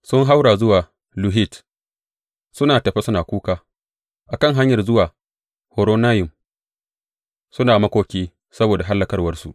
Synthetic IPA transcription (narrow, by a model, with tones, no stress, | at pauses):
sʊ˦ŋɦa˦wɽaː˨zʊ˦waː˨ | lʊ˨ɦi˦˨t | sʊ˦naː˨tɐ˨ɸe˦sʊ˦naː˨kʷuː˦kaː˨˦ | ʔa˨kɐ˦˨ŋɦa˦ɲjɐ˨rzʊ˦waː˨ | hoː˨ɾoː˦naː˦jʊ˨m | sʊ˦naː˨mɐ˦kʷoː˦kʲiː˦ | sɐ˦boː˨da˨ɦa˦lːɐ˦kɐ˦rwɐ˦rsu˨ʔ